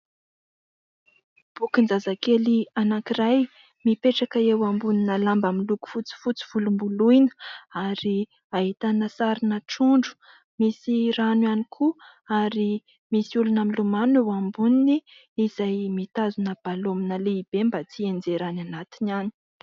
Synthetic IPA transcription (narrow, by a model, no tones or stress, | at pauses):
b̥ukind͡zazakelianakiraj | mipeʈ͡ʂakaewambuninəlambamiluku̥fut͡si̥fut͡si̥v̥ulumbuluinə̥aɾi | aɦit̪anəsaɾinəʈ͡ʂuɳɖ͡ʐu̥ | misiɾanwanikʰu | aɾi | misiulunamilumanewambuniniː | zajmit̪azunəb̥alominəleib̥embat͡siend͡zeɾananat̪inani̥